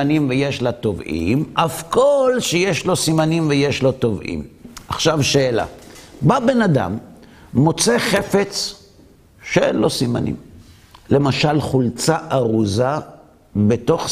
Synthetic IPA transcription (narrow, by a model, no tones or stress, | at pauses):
animvejeʃlat̪o̞vḭmʔafkolʃejeʃlo̞simanimveje̞ʃlo̞to̞vʔḭmʔaχʃavʃeːla̰babenad̪a̰mː | o̞t͡se̞χe̞fe̞t͡s | ʃeenlo̞sima̰nḭm | le̞maʃalχult͡saʔaʁuza | bet̪o̞χ